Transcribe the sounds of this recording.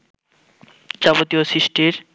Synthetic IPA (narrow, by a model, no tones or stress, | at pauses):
d͡ʑabot̪ioʃiʃʈiɾ